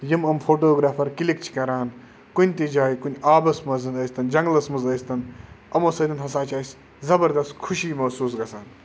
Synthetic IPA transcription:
jimɐmpʰoːʈoːɡɾaːpʰɐɾkilik̚t͡ʃʰi̥kɐɾaːn | kunʲt̪id͡ʒaːjkunʲaːbɐsmɐzɐnɐsʲt̪ɐnd͡ʒɐŋɡlɐsmɐzɐjst̪ɐnɐmoːsɐd̪ɐnɦɐsaːt͡ʃʰaːsʲ | zɐbɐɾd̪ɐst̪kʰuʃiːmɐsuːs̬ɡɐsaːn

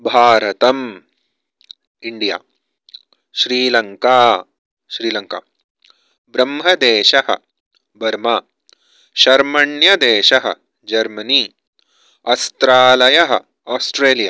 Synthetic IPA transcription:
bʱaːɾɐt̪ɐm | iɳɖija̰ː | ʃɾiːlɐŋkaː | ʃɾiːlɐŋkaː | bɾɐmɦɐd̪eːʃɐɦɐ̰̆ | bɐɾmaː | ʃɐɾmɐɳjɐd̪eːʃɐɦɐ̰̆ | d͡ʒɐɾmɐniː | ɐst̪ɾaːlɐjɐɦɐ̰̆ | aːsʈɾeːlijaː

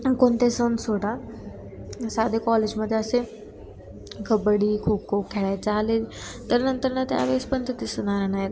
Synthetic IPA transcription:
kont̪esonsoːɽa | saːd̪ekɔleːd͡ʒməd̪ʱːjeəse | ɡəbəɽiːkʰuːb̚kʰuːp̚kʰɛɭaːt͡saːɦlet̪əɾnə̃nt̪əɾnɐt̪ea̰ʋespənt̪ət̪isənaːɾenaːɦe

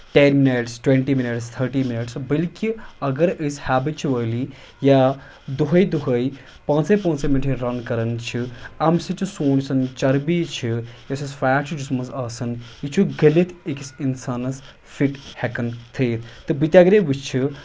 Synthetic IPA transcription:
ʈenmineʈsʈwẽɳʈiminiʈst̪ʰəɾʈiːminiʈsbəlkiɐɡɐɾəshaːbit̪t͡ʃʰiʋəːli | ja | d̪uɦɐjd̪uɦəj | pãːnsepãːnseminʈʰiɾɐnkɐɾɐnt͡ʃʰiɐmsit͡ʃʰisoːnsɐnt͡ʃɐɾbit͡ʃʰijasisfaːʈ̚t͡ʃʰid͡ʒusmɐzaːsɐnjit͡ʃʰuɡɐlet̪ʰekisinsaːnɐs | fʰiʈhɛkɐnt̪ʰeːt̪ʰt̪ɨbit̪ʲjaɡɾebit͡ʃt͡ʃʰi

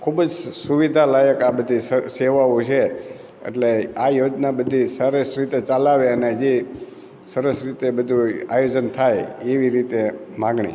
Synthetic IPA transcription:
kʰubd͡ʒsuʋid̪ʱalajəkabəd̪ʱisəseʋaũt͡ʃʰe | ḛʈleajod͡ʒnabəd̪ʱisəɾəsɾit̪et͡ʃalaʋeəned͡ʒe | səɾəsɾit̪ebəd̪ʱua̰jod͡ʒənt̪ʰajeʋiɾit̪emãɡɳḭ

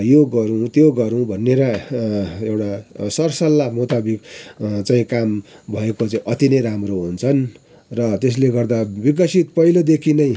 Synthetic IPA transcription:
joɡʌɾũt̪joɡʌɾũbʱʌnːeɾʌ | ewʈasʌrsʌlːamot̪abikt͡saĩkambʱʌekot͡saĩʔʌt̪inʌjɾamroɦunt͡sʰʌn | rʌt̪es̬leɡʌrd̪abiɡ̬ʌsit̪pʌilod̪ekʰinʌj̃

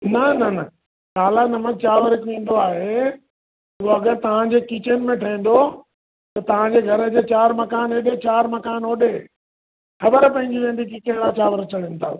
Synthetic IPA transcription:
nɐnɐnɐ | kaːlanɐməd͡ʑt͡ɕaːʋəɾɪkʋĩːn̆d̪oaːɦe | uɦoɐɡəɾt̪ɐʋ̤ãd͡ʑeːkit͡ɕənɪ̆mẽʈʰɐĩːn̆d̪o | t̪ɐt̪ɐʋ̤ãɲd͡ʑeːɡʱɐɾəd͡ʑeːt͡ɕaːɾmɐkaːneːɗet͡ɕaːɾmɐkaːnoːɗe | xɐbəɾpɐ̃ɦɪ̃ɲd͡ʑiʋẽːnd̪ikikɐ̃ɦɪɽ̃at͡ɕaːʋəɾt͡ɕɐɽənɪ̆t̪ʰa̰ː

